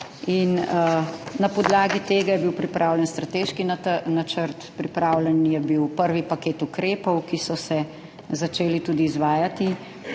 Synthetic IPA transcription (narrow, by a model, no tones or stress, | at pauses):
in | napɔd̪laːɡit̪eːɡajɛbiwpɾipɾʔaːwlɛnst̪ɾat̪eːʃkinnat͡ʃəɾt̪pɾipɾaːwlɛnjɛbiwpəɾʋipakeːt̪ukɾeːpɔwkisɔsɛ | zat͡ʃeːlit̪uːd̪iːzʋaːjat̪i